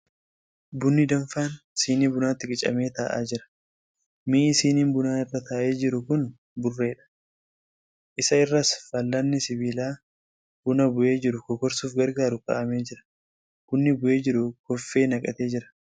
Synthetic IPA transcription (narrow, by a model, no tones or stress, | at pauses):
bʊnːɪd̪ɐɱfaːnsiːnibʊnaːt̪ːɪkʼɪt͡ʃʼɐ̰me̞ːt̪aːʔa̰ːd͡ʒɪɾɐ̥ | misiːniːnbʊnaːɪrːɐt̪aːʔe̞ːd͡ʒɪɾʊkʊn | bʊrːe̞ːᶑɐ̥ | ʔɪsɐɪrːɐsfɐlːɐnːɪsɪbiːlaː | b̥ʊnɐbʊʔe̞ːd͡ʒɪɾʊkɔkɔɾsuːfɡɐɾɡaːɾʊkɐ̰ʔɐme̞ːd͡ʒɪɾɐ̥ | b̥ʊnːɪbʊʔe̞ːd͡ʒɪɾʊkɔfːe̞ːnɐkʼɐt̪eːd͡ʒɪɾɐ̥